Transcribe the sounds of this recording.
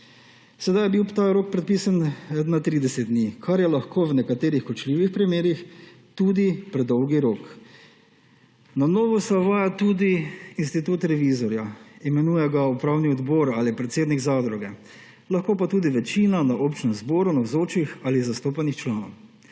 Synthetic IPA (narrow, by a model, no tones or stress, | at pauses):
sɛd̪ajɛbiwt̪aːɾoːk̚pɾɛt̪̚piːsannat̪ɾiːd̪ɛsɛt̪̚d̪nikʰaɾjɛlaxkʰownɛkat̪eːɾixkɔt͡ʃliːʋixpɾimeːɾix | t̪uːd̪ipɾɛd̪ɔwɡiɾoːk | nanoːʋɔsɛɔʋaːjat̪ud̪iinst̪it̪uːt̪ɾɛʋizɔɾjaimɛnuːjɛɡaupɾaːwniɔd̪bɔːɾaːlipɾɛt̪seːd̪niɡzad̪ɾuɡɛ | laxkoːpat̪uːd̪iʋɛt͡ʃiːnanaʔoːpt͡ʃnɛmzboːɾunawzoːt͡ʃixalizast̪oːpanixt͡ʃlaːnɔ̰w